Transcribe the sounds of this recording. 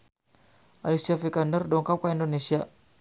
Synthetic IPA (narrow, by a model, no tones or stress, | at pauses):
ʔaliksiafikandərdɔŋkap̚kaindonesia